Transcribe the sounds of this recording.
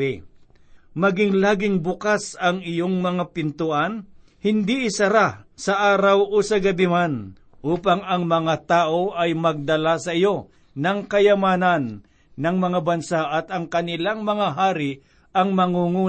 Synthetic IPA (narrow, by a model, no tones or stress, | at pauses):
mɐɡɪŋlaːɡɪŋbʊkasɐŋɪjoŋmɐŋapɪnt̪ʊʔan | hɪnd̪iʔɪsɐɾasɐʔaːɾɐwʔuːsɐɡɐbɪman | ʔuːpaŋɐŋmɐŋat̪aːʔoʔɐjmɐɡ̚d̪ɐlasɐʔɪjo̞ | nɐŋkɐjɐmaːnɐnː | ɐŋmɐŋabɐnsaʔɐt̪ɐŋkɐnɪlaŋmɐŋaɦaːɾɪ | ɐŋmɐŋuŋuː